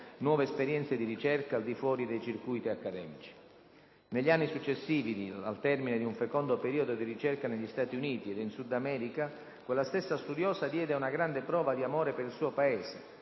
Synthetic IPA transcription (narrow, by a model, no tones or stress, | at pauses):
nwɔːveːspeɾjɛnt̪sed̪irit͡ʃɛrkaːld̪ifwɔːɾid̪ejt͡ʃirkujt̪iakːad̪ɛːmit͡ʃi̥ | neʎːianːisut͡ʃːesːiːvid̪ia̰lt̪ɛrmined̪iuɱfekɔnd̪opeɾiːod̪od̪irit͡ʃɛrkaneʎːist̪aːt̪iuniːt̪ied̪insud̪ːamɛːɾika | kwelːast̪esːast̪ud̪jɔːzad̪jɛːd̪eaunaɡɾand̪epɾɔːvad̪iamoːɾepeɾilsuːopaɛːse